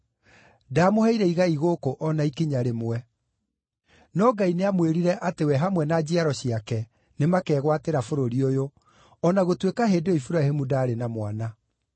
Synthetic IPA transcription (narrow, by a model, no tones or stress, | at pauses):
daːmohɛiɾɛiɣaiɣokoʔɔnaikiɲaɾemwɛ | nɔɡaineamweɾiɾɛʔatewɛɦamwɛnad͡ʑiaɾɔɕiakɛ | nemakɛːɣwateɾafoɾoɾiojo | ɔnaɣotwekaɦeːdeoifuɾahemudaːɾenamwana